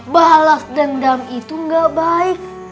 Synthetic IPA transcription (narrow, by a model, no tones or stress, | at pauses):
baɦlas̚dandamit̪uŋɡaʔbaɪk̚